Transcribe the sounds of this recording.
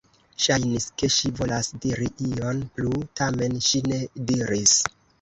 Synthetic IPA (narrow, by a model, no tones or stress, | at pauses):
ʃajniske̞ʃivo̞lasdiɾiʔio̞nplutame̞nʃine̞diɾis